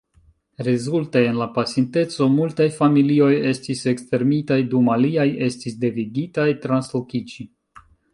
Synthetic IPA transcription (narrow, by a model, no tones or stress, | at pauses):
ɾezulte̞enlapasinte̞t͡so̞multajfamilio̞je̞stise̞kste̞ɾmitajdumaliaje̞stisde̞viɡitajtɾanslokit͡ʃi